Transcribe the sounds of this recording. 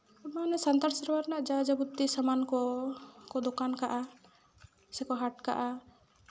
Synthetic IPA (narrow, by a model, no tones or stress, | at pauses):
manɛsant̪aɾsəɾwaɾnaʔd͡ʒad͡ʒabud̪isamankɔkɔd̪ɔkankaʔa | sɛkɔɦaʈka̰ʔa